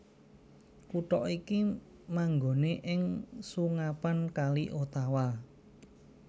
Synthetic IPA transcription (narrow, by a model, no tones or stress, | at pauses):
kuʈɔʔiki | maŋɡo̤neʔɪŋsuŋapankaliʔot̪awa